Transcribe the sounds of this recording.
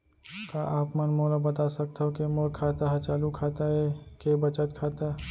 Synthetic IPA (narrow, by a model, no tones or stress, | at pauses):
kaʔaːpmənmoːlabɐt̪asɐk̚t̪ːɦokemolkʰaːt̪aɦɛt͡ʃaːlukʰaːt̪aɦɛkebət͡ʃət̪kʰaːt̪a